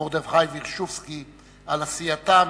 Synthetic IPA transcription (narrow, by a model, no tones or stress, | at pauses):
oʁd̪evχajviʁʃufski | alasiat̪am